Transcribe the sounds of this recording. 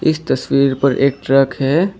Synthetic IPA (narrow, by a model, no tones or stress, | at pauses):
ɪst̪əswiːɾpəɾʔḛːk̚ʈɾəkɦɛ